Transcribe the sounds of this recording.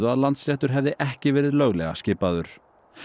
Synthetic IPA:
ðʏaðlant̪slɛht̪ʏɾ̥ɦɛvðɪʔɛhcɪvɛːɾɪðlœːɣlɛ̰ɣa̰scɪːpaðʏɾ̥

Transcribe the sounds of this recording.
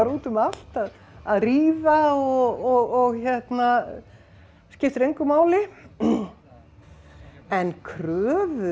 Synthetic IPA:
aɾuːt̪ʏmal̥t̪að | aðriːvaɔɣɔɣɔɣçɛht̪na | scɪft̪ɾejŋkʏmaːwlɪ | ɛnkʰɾœːvʏ

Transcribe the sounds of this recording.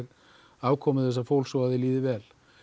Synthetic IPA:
ɣ | aːwkʰɔːmʏθɛs̬ːafowlsɔaðɪliːðɪvɛːl

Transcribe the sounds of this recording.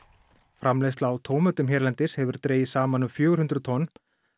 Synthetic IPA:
fɾamlejst̪laːwt̪ʰoːwmœt̪ʏmçɛɾlant̪ɪshɛvʏɾ̥t̪ɾeːjɪsaːmanʏmfjœːɣɾ̥hʏnt̪ɾʏt̪ʰɔnː

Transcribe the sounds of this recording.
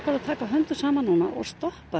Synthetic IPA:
kvaɾaðt̪ʰaːkaɦœnt̪ʏ̥saːmanːuːna̰ʔɔ̰ɣst̪ɔhpa

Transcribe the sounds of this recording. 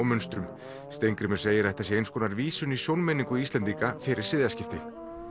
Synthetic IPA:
wmʏnst̪ɾʏm | st̪ejŋkɾɪmɛɾ̥seːjɪɾɛjht̪asjɛejnskʰɔːnaɾviːsʏnisjownmɛniŋkʏist̪lɛnt̪iŋkafɪɾɪɾ̥sɪːðjascɪft̪ɪ

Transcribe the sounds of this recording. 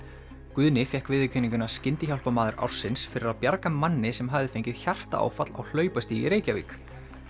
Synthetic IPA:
kʏðnɪfjɛhkvɪðɪcʰʏniŋkʏnascɪnt̪ɪçawl̥pamaːðʏɾʔa̰wɾ̥sɪnsfɪɾɪɾaðpjaɾkamanːɪsɛmɦaðɪfejɲcɪðçar̥t̪a̰a̰ːwfat̪la̰wl̥œːɥpast̪iḭɾeːjcavḭːk

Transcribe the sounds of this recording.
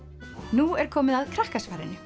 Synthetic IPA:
nuɛɾ̥kʰɔːmɪðaðkʰɾahkasfaːɾɪ̰nɪ

